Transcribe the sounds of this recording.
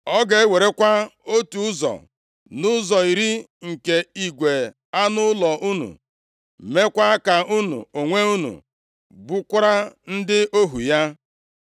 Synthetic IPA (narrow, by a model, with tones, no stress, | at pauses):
ɔ˦ɡe˨e˦we˨ɾe˦kʷa˦o˦tu˨˦ʊ˦zɔ̰˨ | nʊ˦zɔ˨i˨ɾi˦ | ŋ̩˨ke˨i˨ɡʷe˨ | a˦nʊ˦lɔ˨ʔu˦nṵ˨ | me˦kʷa˦ka˨ʔu˦nṵ˨o˨ŋʷe˦u˦nṵ˨ | bu˦kʷʊ˦ɾa˦n̩˦dɪ˦ʔo˦ɦu˨ja˦